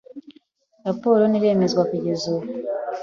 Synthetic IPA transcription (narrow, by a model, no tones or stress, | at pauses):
ɾapo̞ɾoniɾe̞ːmezɡwakuɟezuβ